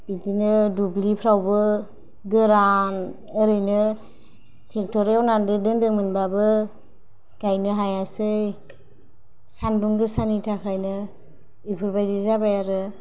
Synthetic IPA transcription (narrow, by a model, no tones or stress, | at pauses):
bitinɯdublipʰɾawbɯ | ɡɯɾan | ɯɾɯjnɯ | tʰek̚tɔɾeawnandɯdɯŋdɯmɯnbabɯ | kajnɯɦajasɯj | sanduŋdɯsanitʰakʰajnɯ | ipʰɯɾbajdizabajaɾɯ